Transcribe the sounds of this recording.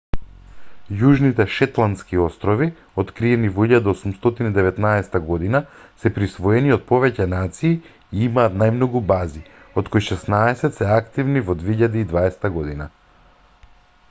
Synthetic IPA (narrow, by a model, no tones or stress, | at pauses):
juʒnit̪ɛʃɛt̪lˠant̪skiɔst̪ɾɔvi | ot̪kɾiɛnivɔiʎad̪aosumst̪ɔt̪inid̪ɛvɛt̪naɛsɛ̥t̪aɡɔd̪inasɛpɾisvɔɛniot̪̚pɔvɛcɛnat̪siː | imaːt̪najmnɔɡubazi | ot̪̚kojʃɛsnaɛsɛt̪sɛakt̪ivnivɔd̪veiʎad̪iid̪vaɛst̪aɡɔd̪ina